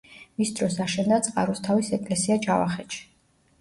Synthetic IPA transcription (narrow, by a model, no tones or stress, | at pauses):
misd̪ɾɔsaʃɛnd̪at̪sʼqʼa̰ɾust̪ʰavisɛkʼlɛsiat͡ʃʰʼava̰χɛt͡ʃʰi̥